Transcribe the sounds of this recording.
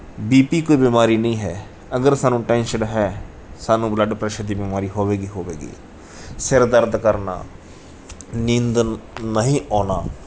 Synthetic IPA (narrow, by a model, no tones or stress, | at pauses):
biːpiːkoːiːbimaːɾiːnəĩːɦɛː | əɡəɾsaːnũːʈɛ̃ːnʃəɖɦɛː | saːnũːbləɖpɾɛːʃəd̪iːbimaːɾiːɦoːʋeːɡiːɦoːʋḛːɡḭː | sɪɾd̪əɾd̪kəɾna̰ː | nɪ̃nd̪nəɦĩːʔɔːnaː